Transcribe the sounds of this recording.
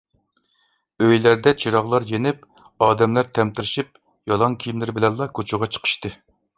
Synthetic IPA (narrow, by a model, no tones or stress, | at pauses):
øjlæɾd̪ɛt͡ʃʰiɾɑʁlˠɑɾjenɪp̚ | ɑːd̪ɛmlæɾt̪ʰɛmt̪ɪɾɪʃip̚ | jɑlˠɑŋkʲʰijmlɪɾbɪlɛnlˠɑkʰot͡ʃʰuʁɑt͡ʃʰə̥qʰə̥ʃt̪ɨ